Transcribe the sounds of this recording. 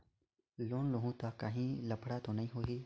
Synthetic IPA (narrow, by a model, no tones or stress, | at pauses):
loːnloːɦũːt̪aːkəɦĩːləpʰɽaːt̪õːnəɦĩːɦoːɦeː